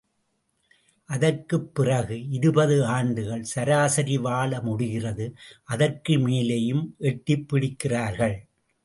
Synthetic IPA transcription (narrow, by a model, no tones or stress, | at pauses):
ʔɐðɐɾkɯpːɪrɐɣɯɪɾɯbɐðɯaːɳɖɯɣɐɭsɐɾaːsɐɾɪʋaːlɐmʊɽɪɣɪrɐðɯʔɐðɐrkɯmeːlɐjɯmʔɛʈːɪpːɪɽɪkːɪraːɾɣɐɭ